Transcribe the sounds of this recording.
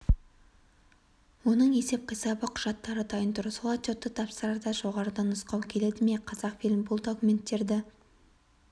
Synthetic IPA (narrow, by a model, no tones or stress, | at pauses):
wo̞nəɴe̞se̞p̚qʰəjsɑbəqʰʊ̥ʒ̥ɑt̪ːɑɾət̪ʰɑjənt̪ʰʊɾəsolˠɑt̪ot̪ːət̪ʰɑpsəɾɑɾd̪ɑʒo̞ʁɑɾəd̪ɑnʊsqɑwkʲʰe̞le̞d̪ɪmeqʰɑzɑqfilʲmbʊlˠd̪okume̞nt̪ːe̞ɾd̪ɪ